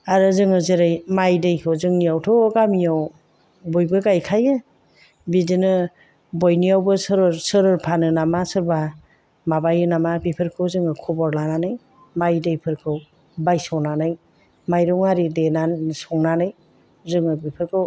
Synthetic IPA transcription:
aɾɯzɯŋɯzeɾɯjmajdɯjkʰɯwzɯŋnijawtʰɔɡamijaw | bɔjbɯɡajkʰajɯ | bidinɯ | bɔjnijawbɯsɯɾɯɾsɯɾɯɾpʰanɯnamasɯɾba | mabajɯnamabipʰɯɾkʰɯwzɯŋɯkʰɔbɔɾlananɯj | majdɯjpʰɯɾkʰɯw | bajsɔŋnanɯj | majɾɔŋaɾidenasɔŋnanɯj | zɯŋɯbipʰɯɾkʰɯw

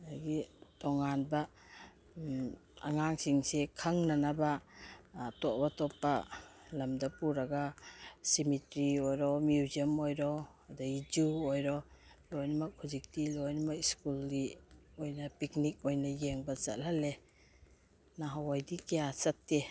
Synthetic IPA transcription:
aɡitoŋanbɐ | ɐ̰ŋaŋsiŋsekʰɐŋnɐnaba | toʔbatɔpːɐlɐmdɐpuɾɐɡasimitɾiojɾɔmjuziəmojɾɔ | daid͡ʒuojɾɔ | lojnmɐk̚huzik̚tilojnmɐkiskuldiojnɐpiknik̚ojnɐjeŋbɐt͡ʃɐ̰t̚lale | naɦawajdikejasɐtːe

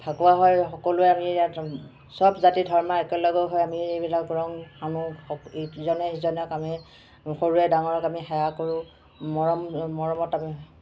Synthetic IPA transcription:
pʰakuwaɦɔjxɔkolʊɛamiea | sɔbzatidʱɔɹmaɛkɛlɔɡɔɦɔjamiejbilak̚ɡɔɹɔŋxanũɔzɔnɛizɔnɛɔkamɛ | xoɹuɛdaŋɔɹɔkamixajakoɹʊ̃ | mɔɹɔmmɔɹɔmɔtami

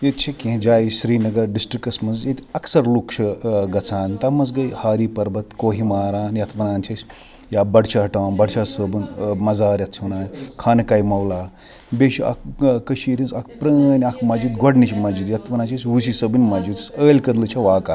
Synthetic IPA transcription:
jet̪̚t͡ʃʰekiɦẽd͡ʒaːisɾiːnɐɡɐɾɖisʈɾikɐsmɐzjet̪ʲɐksɐɾlukʃʰɐɡɐt͡sʰaːnt̪ɐmɐzɡɐjhaːɾiːpɐɾbɐt̪koːɦimaːɾaːnjɐt̪ʰʋɐnaːnt͡ʃʰɐsʲ | jaːbɐɖt͡ʃʰɐɦɐʈaːnbɐɖt͡ʃʰaːsəbɨnmɐzaːɾjɐt̪t͡ʃʰʋɐnaːnkʰaːnɐkaːjmɐwlaː | beʃiʔɐ̰kkɐʃiːɾʲinsɐkʰpɾɐːnʲɐkʰmɐd͡ʒit̪ɡɔɖnit͡ʃʰimɐd͡ʒit̪jɐt̪ʰʋɐnaːt͡ʃʰɐsʲʋus̬isəbɨnʲmɐd͡ʒit̪səːlʲkɐd̪lɨt͡ʃʰɐʋaːka

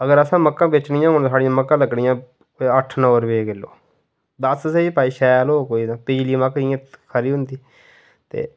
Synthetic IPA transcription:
əɡəɾəsãːməkːãːbɪt͡ʃnɪ̃jãːɦoːnːsaːɽijãːməkːãːləɡɳɪjãː | əʈʰnɔːɾʋeːɡɪlːo̰ː | d̪əssiːpaːiːʃɛːloːkoːiːd̪ãːpɪd͡ʒliːməkijãːkʰəɾiːɦʊnd̪iː | t̪ḛː

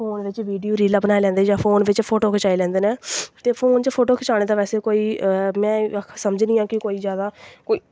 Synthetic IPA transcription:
oːnʋɪt͡ʃʋiːɖijoːɾiːləbnaːelɛ̃ːnd̪eːd͡ʒãːpʰoːnʋɪt͡ʃpʰoːʈoːkʰət͡ʃaːilɛ̃ːnd̪eːneːt̪eːpʰoːnt͡ʃəpʰoːʈoːkʰət͡ʃaːɽ̃eːd̪aːʋɛːseːkoːiːmɛ̃ːsəməd͡ʒnĩːãːkɪkoːiːzjaːd̪aːkoːiː

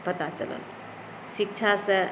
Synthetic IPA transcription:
pət̪at͡ʃə̰lə̰l | sik̚t͡ʃʰasə̃

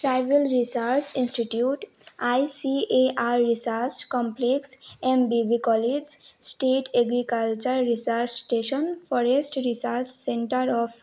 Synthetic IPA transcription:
ʈɾajʋelɾisaɾt͡ʃĩnsʈiʈjuːʈ | ajsieʔaɾɾisaɾt͡ʃkɔ̃mpleksẽmbibikɔled͡ʒsʈeːʈeɡɾikəlt͡ʃəɾɾisaɾt͡ʃsʈeʃənfɔɾesʈɾisaɾt͡ʃsẽɳʈəɾɔf

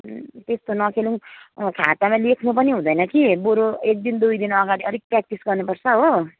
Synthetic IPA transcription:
t̪est̪onʌkʰelũŋkʰat̪amalekʰnup̬ʌniɦũd̪ʌjnʌkiboɾoek̚d̪ind̪ujd̪inʌɡaɽiʌɾik̚prak̚tisɡʌrnupʌrt͡sʰʌɦo

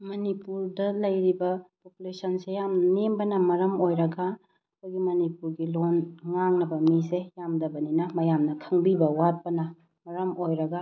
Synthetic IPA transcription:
mɐnipuɾdɐlɐjɾibɐpopulesʰɐnsejamnɐnembɐnɐmɐɾɐmojɾɐɡa | koɡimɐnipuɾɡilonŋaŋnɐbɐmisejamdɐbɐninɐmɐjamnɐkʰɐŋbibɐwat̚pɐnɐ | mɐɾɐmojɾɐɡa

